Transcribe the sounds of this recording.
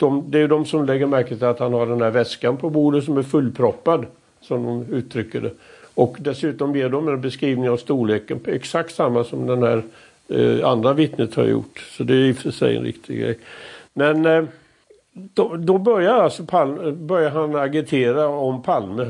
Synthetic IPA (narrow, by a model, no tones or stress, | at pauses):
d̪̥ɔmd̪ɛæɾjɵd̪ɔmsɔmlɛɡːəɾmæɾkət̪ʰɪlat̪hanhaɖɛnhæːɾvɛskanpʰɔbuːd̪ət̪sɔmæɾfɵlːpʰɾɔpːad̪ | sɔmd̪ɔmʉ̟ːt̪ʰːɾʏkːəɖɛ̰ɔkd̪ɛsʉ̟ːt̪ɔmjeːɖɔmɛnbɛskɾiːvnɪŋavst̪uːɭeːkənʰɛksak̚t̪samːasɔmd̪ɛnhæ̰ːɾ | a̰nd̪ɾavɪt̪nət̪ha̰ɾjʊ̰ʈːsɔd̪ɛjjɪft̪əʂɛ̰jɛ̰nɾɪ̰k̚t̪ʰɪ̰ɡɾɛ̰jmɛn | d̪̥ɔd̪ɔbœɾjaɾalsɔpʰalməbœɾjaɾɦanaɡɪt̪ʰeːɾaɔmpʰalmə